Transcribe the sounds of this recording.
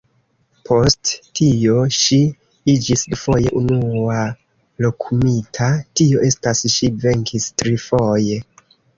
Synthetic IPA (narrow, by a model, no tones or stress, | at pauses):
pʰo̞sttio̞ʃi | id͡ʒisdufo̞je̞ʔunua | lo̞kʰumitʰatio̞ʔe̞stasʃive̞ŋkʰistɾifoje̞